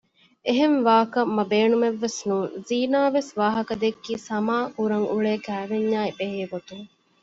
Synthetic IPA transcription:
eɦenʋaːkɐmːɐbeːnumeʋːesnuːŋziːnaːʋesʋaːɦɐkɐd̪ekːiːsɐmaːkuɾɐŋʔuɭeːkæːʋeɲːaːibeɦeːɡot̪uŋ

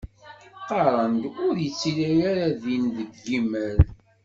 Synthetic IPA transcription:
qɑɾˤənd̪ʊɾjət͡sːiɾaɾaɾaðinðəɡːimæɾ

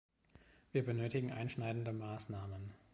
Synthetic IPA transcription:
viːɐbənøːtɪɡŋ̩ʔa̰ɪnʃnaɪdn̩dəmaːsnaːmən

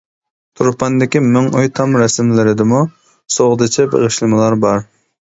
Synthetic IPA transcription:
t̪ʰuɾpɑnd̪ɪkʲimʊŋujt̪ʰɑmɾɛsɪmlɪɾɪd̪ɪmu | soʁd̪ɨt͡ʃʰɛbḛʁɨʃlɨmɨlˠɑɾbɑɾ

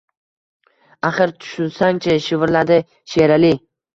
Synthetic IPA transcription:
aχɪɾt̪ʰʊ̥ʃʊnsaŋt͡ʃʰaʃɪvɾlad̪ɪ | ʃeɾali

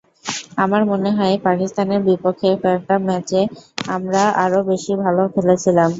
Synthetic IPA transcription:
amaɾmoneɦɔepakist̪aneɾbipokʰːefɔʈamɛt͡ɕeamɾaaɾobeʃibʱalofelet͡ɕʰilam

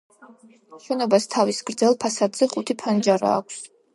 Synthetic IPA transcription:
ʃɛnɔbast̪ʰavisɡ̥ɾd̪zɛlˠpʰasad̪z̥ɛχʼut̪ʰipʰand͡ʒaɾa̰ːkʷʰs

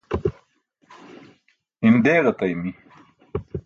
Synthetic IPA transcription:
ind̪eːɣɐt̪ɐjmi

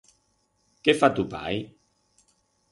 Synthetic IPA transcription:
kefat̪upa̰j

